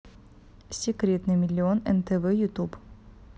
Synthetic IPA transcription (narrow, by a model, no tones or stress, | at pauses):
sʲɪkɾʲet̪nɨjmʲɪlʲːɪo̞nɛnt̪ɛvɛjʊt̪up